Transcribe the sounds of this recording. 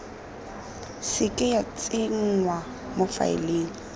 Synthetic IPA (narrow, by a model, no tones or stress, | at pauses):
sɪkʼɪjat͡sʼɪŋ̩ŋwa | mʊfa̰ɪ̰leːŋ̩